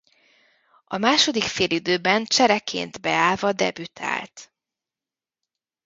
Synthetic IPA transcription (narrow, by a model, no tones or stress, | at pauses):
ɒmaːʃo̞d̪ikfeːlid̪øːbɛnt͡ʃɛɾɛkʰḛːnt̪bɛaːlvɒd̪ɛ̰byt̪ʰa̰ːlt̪